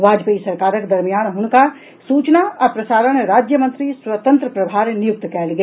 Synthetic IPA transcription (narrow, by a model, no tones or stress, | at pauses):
ʋaːd͡ʒpəisɐɾkaːɾəkd̪ɐɾmijaːnɦʊnka | suːt͡ʃnaɔːɾpɾɐsaːɾənɾaːd͡ʒjəmə̃nt̪ɾiswət̪ə̃nt̪ɾəpɾɐbʱaːɾnɪjʊk̚t̪kɛːlɡe